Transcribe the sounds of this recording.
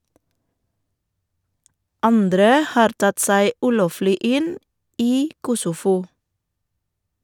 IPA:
ˈɑndɾə ˈhɑːɾ ˈtɑt ˈsæɪ ˈʉːˌloːflɪ ˈɪn ˈiː ˈkʊsʊˌfuː

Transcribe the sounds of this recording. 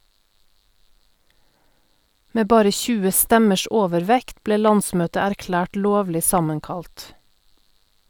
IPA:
ˈmeː ˈbɑːɾə ˈçʉːə ˈstɛməʃ ˈoːʋəɾˌʋɛkt ˈbleː ˈlɑnˌsmøːtə æɾˈklæːʈ ˈloːʋlɪ ˈsɑməŋˌkɑlt

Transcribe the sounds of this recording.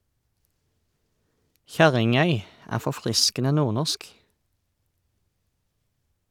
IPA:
ˈçæʁɪŋˌœʏ ˈæː fɔˈfʁɪskənə ˈnuːʁˌnɔsk

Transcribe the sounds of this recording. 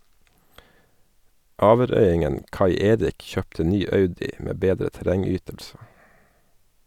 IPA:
ˈɑːʋəˌɾœʏˌɪŋən ˈkɑɪ ˈeːɾɪk ˈçøːptə ˈnyː ˈɑʉdɪ ˈmeː ˈbeːdɾə tæˈɾɛŋˌyːtəlsə

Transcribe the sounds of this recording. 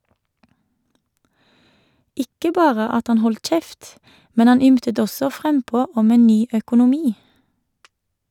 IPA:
ˈɪkə ˈbɑːʁə ˈɑt ˈhɑn ˈhɔlt ˈc͡çɛft ˈmɛn ˈɑn ˈʏmtət ˈɔsɔ ˈfʁɛmˌpoː ˈɔm ˈeːn ˈnyː œkʊnʊˈmiː

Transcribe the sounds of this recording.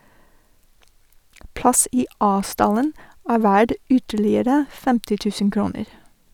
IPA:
ˈplɑs ˈiː ˈɑː ˈstɑlən ˈæː ˈʋæɖ ˈʏtəɭɪəɾə ˈfɛmtɪ ˈtʉːsən ˈkɾuːnəɾ

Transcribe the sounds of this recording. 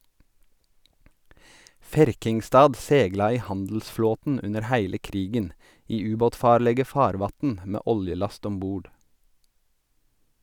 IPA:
ˈfæɾkɪŋˌstɑːd ˈsɛɡlɑ ˈiː ˈhɑndl̩sˌfloːtn̩ ˈʉnəɾ ˈhæɪlə ˈkɾiːɡən ˈiː ˈʉːˌboːtˌfɑːɾlɛɡə ˈfɑːɾˌʋɑtn̩ ˈmeː ˈʔɔljəˌlɑst ˈɔm ˈbuːɖ

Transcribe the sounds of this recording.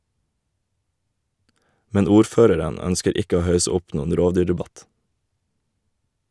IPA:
ˈmɛn ˈuːɾˌføːɾəɾən ˈœnskəɾ ˈɪkə ˈoː ˈhɑʉsə ˈʊp ˈnuːən ˈɾoːʋˌdyːɖɛˌbɑt

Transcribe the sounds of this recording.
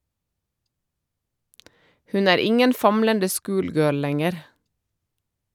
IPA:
ˈhʉn ˈæːɾ ˈɪŋən ˈfɑmləndə ˈskʊːlˌɡøːl ˈlɛŋəɾ

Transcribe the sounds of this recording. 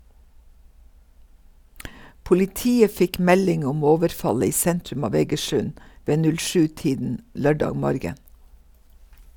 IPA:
pʊlɪˈtiːə ˈfɪk ˈmɛlɪŋ ˈʊm ˈoːʋəɾˌfɑlə ˈiː ˈsɛntɾʉm ˈɑːʋ eːɡəˈʃʉn ˈʋeː ˈnʉl ˈʃʉː ˈtiːdn̩ ˈlœɖɑːɡ ˈmɔɾɡən

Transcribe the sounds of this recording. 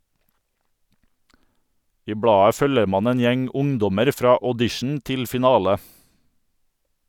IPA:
ˈiː ˈbɽɑːə ˈfœləɾ ˈmɑːn ˈeːn ˈjɛŋ ˈʊŋˌdɔməɾ ˈfɾɑː ɔˈdɪʃɳ ˈtɪl fɪˈnɑːlə

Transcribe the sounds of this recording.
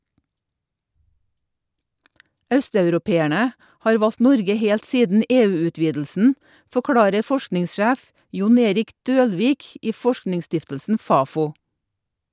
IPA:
ˈœstɑʉɾʊˌpeːæɳə ˈhɑːɾ ˈʋɑlt ˈnɔɾɡə ˈheːlt ˈsiːdn̩ ˈeːˌʉːʉˌtʋiːdl̩sn̩ fɔˈkɽɑːɾə ˈfɔʃknɪŋsˌʃæːf ˈjʊn ˈeːɾɪk ˈdøːlˌʋiːk ˈiː ˈfɔʃknɪŋˌstɪftəlsn̩ ˈfɑːˌfuː

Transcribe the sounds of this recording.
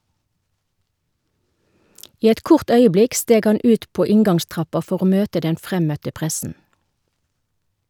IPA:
ˈiː ˈɛt ˈkʊʁt ˈœʏəˌblɪk ˈsteːɡ ˈhɑn ˈʉːt ˈpoː ˈɪŋɡɑŋˌstʁɑpɑ ˈfɔʁ ˈoː ˈmøːtə ˈdɛn ˈfʁɛmœtə ˈpʁɛsn̩

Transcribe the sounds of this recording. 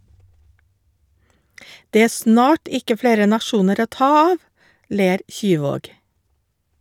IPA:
ˈdeː ˈeː ˈsnɑːʈ ˈɪkə ˈfleːɾə nɑˈʃuːnəɾ ˈoː ˈtɑː ˈɑːʋ ˈleːɾ ˈçyːˌʋoːɡ

